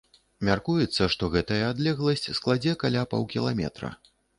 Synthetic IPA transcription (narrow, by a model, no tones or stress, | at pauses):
mʲarkujɛt̪sːɐʂt̪ɔɣɛt̪ɐjɐad̪lʲɛɣlˠɐsʲt͡sʲsklˠad͡zʲɛkalʲapa̰wkʲilˠamʲɛ̰t̪ɾɐ̰